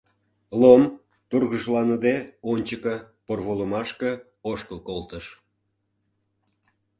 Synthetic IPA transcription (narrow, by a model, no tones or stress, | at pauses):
lom | t̪urɣəʒlɑnəd̪eonʲt͡ɕəkə̆ | porβoləmɑʃkə̆ | oʃkəlkolt̪əʃ